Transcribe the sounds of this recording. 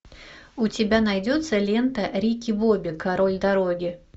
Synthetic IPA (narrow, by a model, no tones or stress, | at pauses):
ʊtʲɪbʲanɐjdʲo̞t̪səlʲent̪əɾʲikʲɪbobʲɪkɐɾolʲd̪ɐɾoɡʲɪ